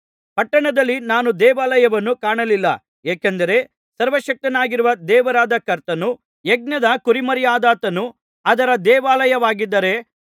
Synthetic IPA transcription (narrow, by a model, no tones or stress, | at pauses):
pɐʈːɐɳɐd̪ɐlːinaːnud̪ɛːʋaːlɐjɐʋɐnːukaːɳɐlilːɐ | eːkend̪ɐɾe̞ | sɐɾʋɐʃɐk̚t̪ɐnaːɡiɾuʋɐd̪ɛːʋɐɾaːd̪ɐkɐɾt̪ɐnu | jeɡ̚nɐd̪ɐkuɾimɐɾjaːd̪aːt̪ɐnu | ɐd̪ɐɾɐd̪ɛːʋaːlɐjɐʋaːɡid̪ːɐɾe̞